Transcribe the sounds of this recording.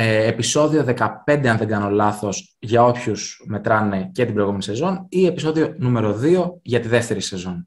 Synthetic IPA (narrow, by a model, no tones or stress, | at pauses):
episo̞ðio̞ðe̞kɐpe̞nd̪eɐnðe̞ŋɡɐno̞lɐθo̞s | ʝɐo̞pçusme̞t̪ɾɐne̞cet̪ibɾo̞jɣume̞nise̞zo̞nie̞piso̞ðio̞nume̞ɾo̞ðio̞ʝɐt̪iðe̞ft̪e̞ɾise̞zo̞n